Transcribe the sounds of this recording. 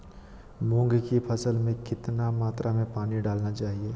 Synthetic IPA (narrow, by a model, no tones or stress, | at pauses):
mʊ̃ŋɡkipʰɐsəlmẽkɪt̪namaːt̪ɾʔamẽpaːniɖaːlnat͡ʃaːɦieː